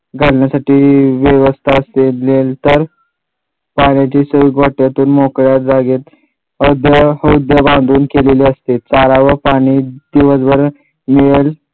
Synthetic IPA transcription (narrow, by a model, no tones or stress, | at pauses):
ɡʱəlɳjasaʈiːʋjeʋəst̪ʰaəselelt̪əɾ | paɽ̃jat͡ɕiːsəiːɡʱoʈjat̪uːnmokɭjat̪d͡zaɡet̪ | əd̪jəhəud̪jəbãnd̪ʱuːnkeleleəst̪et̪t͡saɾaʋəpaɽ̃iːd̪̥iʋəsbəɾ | miɭel